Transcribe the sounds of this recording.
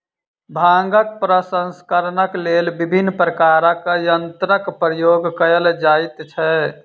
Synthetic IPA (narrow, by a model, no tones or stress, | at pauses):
bʱãŋɡək̚pɾəsə̃nskəɾnəklelbibʱinːpɾəkaɾəkəjənt̪ɾəkpɾəjoːɡkəəld͡ʒaːit̪t͡ʃʰɛ